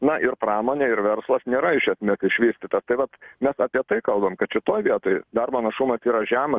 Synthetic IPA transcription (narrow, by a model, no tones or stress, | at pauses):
nɐʔɪrprɑːmoːnʲeːɪɾʋʲɛɾslˠɐsnʲeːɾɐɪʃʲɛsʲmʲeɛsɪʃʲʋʲiːsʲt̪ʲɪt̪ɐst̪ɐɪʋɐt̪mʲɛsɑpʲiɛt̪ɐɪkɐlˠbɐmkɐt̪ʃʲɪt̪oːjʋʲiɛt̪oːjd̪ɐrboːnɐʃʊmɐsiːɾɐʒʲæːmɐ